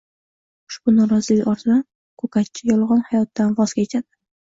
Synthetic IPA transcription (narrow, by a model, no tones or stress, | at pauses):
ʊ̥ʃb̥ʊnɒɾɒzɪlɪkʲɒɾt̪ʰɪd̪an | kʰɵkat͡ʃʰɪjɒlˠʁɒnhajɒt̪ːanvɒz̥kʲaet͡ʃʰad̪ɪ